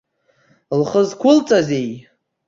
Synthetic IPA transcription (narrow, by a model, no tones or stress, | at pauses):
lχəzkʷʰʊlt͡sʼazej